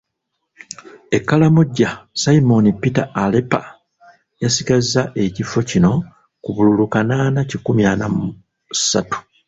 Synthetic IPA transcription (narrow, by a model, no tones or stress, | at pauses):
e̞kːalamuɟːasaimo̞nipitaːlepa̰ | jasiɡazːaʔe̞cifo̞cino̞ | kuβululukanaːnacikumjaːnamu | sa̰tu̥